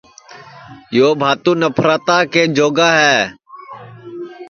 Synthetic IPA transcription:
joːbʱaːt̪ũːnəpʰɾaːt̪aːkeːd͡ʒoːɡaːɦɛː

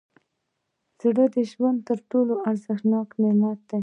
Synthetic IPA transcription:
z̥ɽəd̪əʒwand̪̚t̪əɾʈoloʔaɾzəxnɑkmɪnɑt̪̚d̪̥aj

